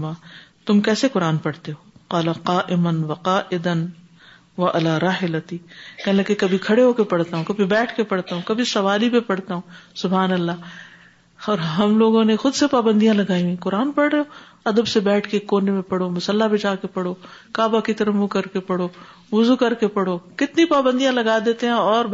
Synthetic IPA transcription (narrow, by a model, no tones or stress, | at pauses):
maːt̪ʊmkɛːsekʊɾaːnpɐɽt̪eɦoːqaːlaqaːʔɪmɐnwɐqaːʔɪd̪ɐn | ʋɐʔɐlaːɾaːɦɪlɐt̪ikɛlɐekɐbʱikʰɐɽeɦoːkepɐɽt̪aɦũkɐbʱibɛːʈʰkepɐɽt̪aɦũkɐbʱisɐʋaːlibepɐɽt̪aɦũsʊbaːnɐlːaː | ɔːɾɦɐmloːɡõnexʊd̪sepaːbə̃nd̪ijãlɐɡaːĩĩqʊɾaːnpɐɽɾɐo | ɐd̪əbsebɛːʈʰkekoːnemẽpɐɽomʊsɐlːabʱɪd͡ʒaːkepɐɽokaːbakit̪ɐɾəmũkɐɾkepɐɽo | ʋʊzukɐɾkepɐɽokɪt̪nipaːbə̃nd̪ijãlɐɡad̪eːt̪eɦɛ̃ɔːɾ